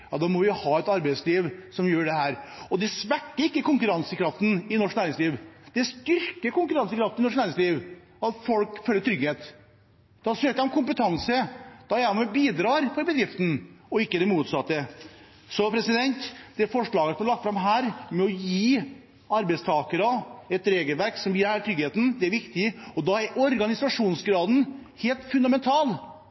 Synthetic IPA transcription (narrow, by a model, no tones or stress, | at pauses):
jɑːd̪ɑmɔʋɪʊhɑːɛt̪ɑɾbæɪsliːʋsɔmjøːɖɛɦæːɾɔd̪ɛsʋækːəɾɪkːəkʊŋkʉɾɑnsəkʰɾɑft̪n̩ɪnɔʂknæːɾɪŋsliːʋd̪̥ɛst̪ʏɾkəkʊŋkʉɾɑnsəkɾɑft̪nɪnɔʂknæːɾɪŋsliːʋ | ɑt̪fɔlkføːlːəɾʈ̪ʰɾʏɡheːt̪ | d̪̥ɑsøːkəɑmkʰʊmpət̪ʰɑnsəd̪̥ɑjæmɛbiːd̪ɾɑːɾpʰɔbəd̪ɾɪft̪n̩ɔɪkːəd̪ɛmuːt̪sɑt̪ːə | sɔpʰɾɛsɪd̪ɛnt̪d̪ɛæɾfɔʂɭɑːɡəsɔmæɾlɑk̚t̪fɾɑmɦæːɾmɛɔjiː | ɑɾbɛɪst̪ʰɑːkəɾəɛt̪ɾeːɡəlʋæɾksɔmjiːɾæːt̪ʰɾʏɡheːt̪n̩d̪ɛæɾʋɪkt̪ɪɔd̪ɑæɾʔɔɾɡɑnɪsɑʂuːnsɡɾɑːd̪n̩heːlt̪fʉnd̪ɑmɛnt̪ʰɑːl